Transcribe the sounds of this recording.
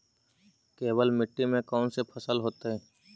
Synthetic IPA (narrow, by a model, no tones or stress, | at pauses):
keːbəlmɪʈːimẽkɔːnsepʰəsəlɦoːt̪eɦɛ̃ː